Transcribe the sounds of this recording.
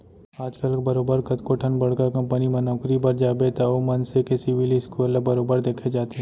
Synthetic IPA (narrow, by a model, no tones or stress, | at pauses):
aːd͡ʒkəlbɐɾoːbəɾkɐt̪koʈʰənbɐɽkakɐ̃mpənimɐnoːkɾibɐɾd͡ʒaːbet̪aomɐnsekɪsibiliskulabɐɾoːbəɾd̪eːkʰed͡ʒaːt̪e